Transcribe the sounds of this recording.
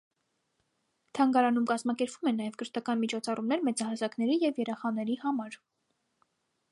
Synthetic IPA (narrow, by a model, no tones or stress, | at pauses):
t̪ʰɑŋɡɑɾɑnumkɑzmɑkɛɾpvumɛnːɑjɛvkəɾt̪ɑkɑnmit͡ʃʰɔt͡sʰɑrumnɛɾmɛt͡sɑhɑzɑkn̪ɛɾijɛvjɛɾɛχɑnɛɾihɑmɑɾ